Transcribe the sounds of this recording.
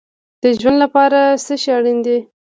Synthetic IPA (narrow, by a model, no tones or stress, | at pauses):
d̪̥əʒwand̪lapɑɾasəʃaɽind̪i